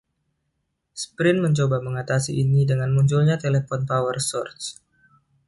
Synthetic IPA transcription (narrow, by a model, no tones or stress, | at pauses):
spɾɪnməɲt͡ʃobaməŋat̪asiʔːnidəŋanmuɲt͡ʃulɲat̪elefɔnpawərsɔrt̪s